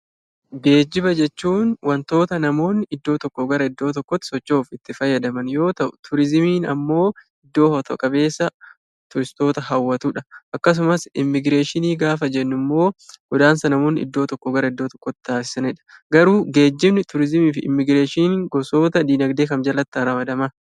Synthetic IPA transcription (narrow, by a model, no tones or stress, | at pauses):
ɡe̞ːd͡ʒːɪbɐd͡ʒɛt͡ʃːuːnwɐnt̪o̞ːt̪ɐnɐmo̞ːnːɪɪd̪ːo̞ːt̪ɔkːɔɡɐɾɐɪd̪ːo̞ːt̪̬ɔkːɔt̪ːɪ̥sɔt͡ʃːo̞ːfɪt̪ːɪfɐjːɐd̪ɐmɐnjo̞ːt̪ɐʔʊt̪ʰʊɾɪzɪmiːnɐ̰mːo̞ː | ɪd̪ːo̞ːhɔt̪ɔ̰kʼɐbe̞ːsːɐ | t̪ʊɾɪst̪o̞ːt̪ɐhɐwːɐt̪uːᶑɐʔɐkːɐs̬ʊmɐsɪmːɪɡɾe̞ːʃɪniːɡaːfɐd͡ʒɛnːʊmːo̞ːɡɔd̪aːnsɐnɐmo̞ːnːɪɪ̰d̪ːo̞ːt̪ɔkːɔɡɐɾɐɪd̪ːoːt̪ɔ̥kːɔt̪ːɪ̥t̪aːsɪ̥sɐnɛᶑɐ̥ɡɐɾuːɡe̞ːd͡ʒːɪbnɪt̪ʊɾɪzɪmiːfɪɪ̰mːɪɡɾe̞ːʃiːŋɡɔso̞ːt̪ɐd̪iːnɐɡd̪e̞ːkɐmd͡ʒɐlɐt̪ːɐɾɐmɐd̪ɐmɐ